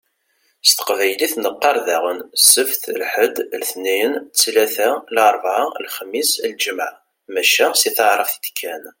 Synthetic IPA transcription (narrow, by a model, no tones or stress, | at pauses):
st̪ə̥qvæjliθnəqːɑɾˤðæʁənsəfθlħəd̪lθniənt͡sːlæθælɑɾˤvʕalxəmːislʒəmʕ | mæʃæsiθəʕɾˤəfd̪kʰːæn